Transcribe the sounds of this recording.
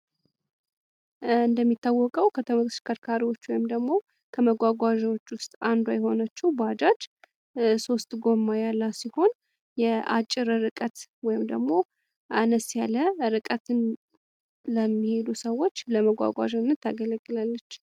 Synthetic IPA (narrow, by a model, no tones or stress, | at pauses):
ɨnd̪əmːit̪ːawːɔkʼəwkʰət̪ʰəməskʰəɾkʰaɾiwo̞t͡ʃːwɔjɪmd̪əɡmo̞ | kʰəməɡʷaɡʷaʒwot͡ʃːwʊst̪ʼand̪ajɛho̞nət͡ʃːɛwbad͡ʒat͡ʃ | so̞st̪ʼɡo̞mːajalːasiho̞n | jɛa̰t͡ʃʼːɪɾɨɾɨkʼət̪wɔjɪmd̪əɡmo̞ | ʔanəsjaləɾɨkʼət̪ʰɨn | ləmːihe̞d̪usəwːo̞t͡ʃːləməɡʷa̰ɡʷa̰ʒənːət̪ʰːaɡələɡːɨlalːət͡ʃː